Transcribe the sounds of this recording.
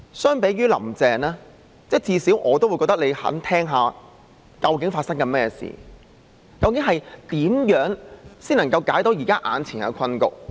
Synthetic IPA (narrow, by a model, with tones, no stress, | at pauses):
sœː˥ŋpe˨˥jɥyː˥lɐ̰˨˩mt͡sɛː˨ŋnlaː˥ | t͡sɛ˥t͡siː˧siː˨˥wʔɔː˨˧t̪o˥wu˨˧jkɔː˧k̚t̪kle˨˧jhɐ̰˨˥nt̪ʰɛː˥ŋɦaː˨˧ | kɐ˧wkɪ˨˥ŋfaː˧t̚sɐ˥ŋkɐ˧mɛː˥jɛ˧sḭː˨˩ | kɐ˧wkɪ˨˥ŋɦɐ˨jt̪iː˨˥mjœː˨˥ŋsiː˥n˨˩ŋkɐ˧wkaː˨˥jt̪o˨˥wjiː˨˩kaː˥ʔa̰ː˨˧nt͡sʰiː˨˩nɐ̰˨˧kʰɐ˥nkʊ̰˨k̚